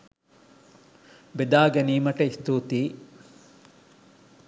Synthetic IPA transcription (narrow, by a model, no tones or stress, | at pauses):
bed̪aːɡɐniːmɐʈɐist̪uːt̪iː